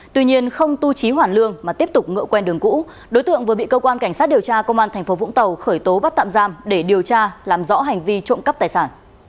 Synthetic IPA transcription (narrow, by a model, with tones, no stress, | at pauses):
t̪wi˧ɲi˧ənxə˧wŋ͡mt̪u˧t͡ɕi˨˦ɦwaː˧˩nlɨ̰˧əŋmaː˨˩t̪i˦˥əp̚t̪ʊ˨˩k͡p̚ŋɨ̰˧˨kwɛ˧nɗɨ˨˩əŋkṵ˧˥ | ɗo˨˦jt̪ɨ̰˧˨əŋvə˨˩ɓḭ˧˨kəː˧kwaː˧nka˧˩jŋsa˦˥t̚ɗi˨˩əwt͡ɕaː˧kə˧wŋ͡mʔaː˧nt̪ʰɛ˨˩ŋ̟fo˨˦vʊ̰˧˥ŋ͡mt̪ə˨˩wxəː˧˩jt̪o˨˦ɓa˦˥t̚t̪a̰˧˨mzaː˧mɗe˧˩ɗi˨˩əwt͡ɕaː˧laː˨˩mzɔ̰˧˥ɦa˨˩jŋ̟vi˧t͡ɕo̰˧˨nkə˦˥p̚t̪aː˨˩jsaː˧˩n